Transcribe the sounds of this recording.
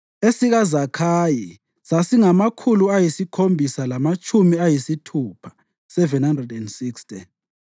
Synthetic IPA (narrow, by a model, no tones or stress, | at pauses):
esiɣazakʰaji | sasiŋamakʰuluajisikʰombʱisalamat͡ʃʼumiajisitʰuːpʰḁ | sɛvɛnhandrɛdɛndsikstʼi